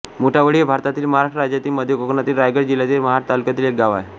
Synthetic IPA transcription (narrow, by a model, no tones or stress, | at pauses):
moʈʰaʋəɭiːbʱaɾt̪at̪iːlməɦaɾaʂʈəɾad͡ʑjat̪iːməd̪ʱjekoknat̪iːlɾajɡəɾd͡ʑiljat̪iːlməɦaʈ̚t̪alukjat̪iːlek̚ɡaʋaj